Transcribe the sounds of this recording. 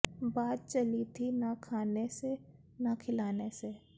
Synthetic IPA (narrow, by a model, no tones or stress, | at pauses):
baːt̪̚t͡ʃɐlit̪ʰinɐkʰaːnese | nɐkʰɪlaːnese